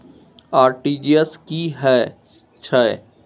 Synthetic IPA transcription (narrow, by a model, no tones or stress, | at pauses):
aːɾʈiːd͡ʒiəskiɦɛː | t͡ʃʰaɛ̰